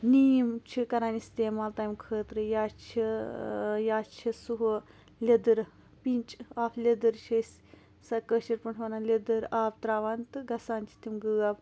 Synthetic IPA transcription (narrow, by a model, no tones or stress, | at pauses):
nijmt͡ʃʰikɐɾaːnist̪eːmaːlt̪aːjmkʰəːt̪ɾɨjaːt͡ʃʰi | jaːt͡ʃʰisuɦu | lʲed̪ɨɾ | pint͡ʃaːpʰlʲed̪ɨɾt͡ʃʰɐsʲ | sɐkəːʃiɾpɐɳʈʰʋɐnalʲed̪ɨɾaːbt̪ɾaːʋant̪ɨɡɐsaːnt͡ʃʰi̥t̪imɡɨːab